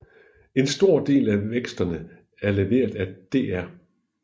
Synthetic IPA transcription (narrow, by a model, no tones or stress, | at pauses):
e̝nsd̥o̝ɐ̰d̥e̝̰ːlæʋeɡ̥sd̥ɐnə | æɐle̝ʋe̝̰ːɐðˠæd̥e̝̰æɐ